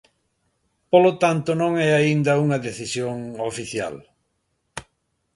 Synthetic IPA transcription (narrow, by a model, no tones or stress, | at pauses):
polot̪ant̪ʊnõŋɛaind̪ɐuŋɐðeθisjoŋofiθja̰l